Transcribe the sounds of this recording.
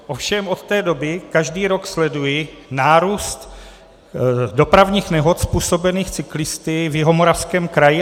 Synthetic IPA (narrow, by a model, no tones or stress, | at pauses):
ʔofʃɛmʔot̪t̪ɛːdo̞bɪkaʒdiːɾo̞kslɛdujɪnaːɾuːst̪ | do̞pɾavɲiːxnɛɦo̞t̪spuːso̞bɛniːxt͡sɪklɪst̪ɪvjɪɦo̞moɾafskɛːmkɾajɪ